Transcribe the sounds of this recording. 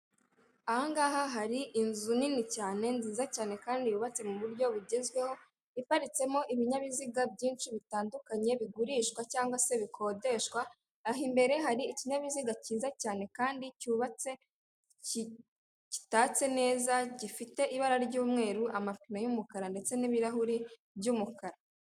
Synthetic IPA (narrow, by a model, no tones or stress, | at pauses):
ahaŋɡaːɦaɦaɾiʔinzuninicaːne̞nziːzacaːne̞kaːndijuβat͡se̞muβuɾɟo̞βuɟe̞zɡwe̞ho̞ | ipaɾit͡se̞mo̞ʔiβiɲaβiziɡab̚ɟiːnt͡ʃiβitaːndukaɲe̞βiɡuɾiːʃkwacaːŋɡwase̞βikʰo̞ːde̞ʃkwaː | ɦimbe̞ɾe̞ɦaɾiːciɲaβiziɡaciːzacaːne̞kaːndicuːβat͡se̞ | ci | ci̥taːt͡se̞ne̞ːzaɟifite̞ʔiβaɾaɾɟuːmŋe̞ːɾuʔamafkinajumukaɾande̞t͡se̞niβiɾaɦuɾi | bɟuːmukaɾa